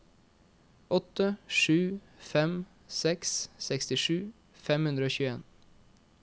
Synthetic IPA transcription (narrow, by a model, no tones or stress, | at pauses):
ɔt̪əʃʉː | fɛm | sɛkssɛkst̪ɪʃʉː | fɛmhʉnɾəoːçʉːeːn